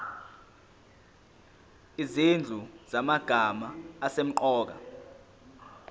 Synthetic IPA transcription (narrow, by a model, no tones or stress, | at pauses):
izind͡ɮʱuz̥amaɡ̥ʱamaːsem̩ǃɔːk̬a̰